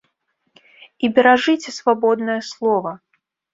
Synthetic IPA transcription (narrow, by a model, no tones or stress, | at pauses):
ibʲɛɾaʐɨt͡sʲɛsvabɔd̪nɐjɐslˠɔvɐ